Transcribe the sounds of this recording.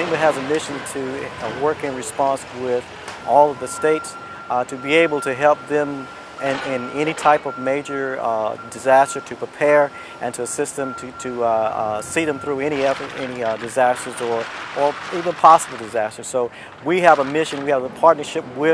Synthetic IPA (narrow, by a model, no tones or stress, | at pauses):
ɪ̃mɨɨzɨmɪʃɨ̃ntʰɨwɜ˞kɨ̃nɹɨspɑ̃nswɪð | ʔɔlˠʌvðɨsteɪts | tʰɨbieɪbl̩ˠtʰɨɦɛlˠp̚ðɨ̃m | ɪ̃nʔɪ̃nɛɾ̃itʰaɪpʌvmeɪd͡ʒə˞dɨzæstə˞ɾʰɨpʰɹ̥ipʰɛɹ | ʔɨ̃ntʰɨəsɪst̪̚ðɨ̃mtʰɨɾɨ | siðɨ̃mθɹʉɛɾ̃iɛfəɾɛnidɨzæstə˞zə˞ʔə˞ivə̃npʰɑsəbl̩ˠdɨzæstə˞z̥soʊ | wiəvəmɪʃɨ̃nwiɨvəpʰɑɹtⁿnə˞ʃɪp̚wɪ